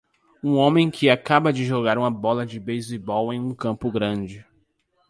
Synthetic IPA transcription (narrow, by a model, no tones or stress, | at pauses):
ũõmẽj̃kʰɪakabɐd͡ʒɪʒoɡaɾũmɐbɔlɐd͡ʒɪbejzibɔwẽj̃ũkɐ̃mpʊɡɾɐ̃d͡ʒɪ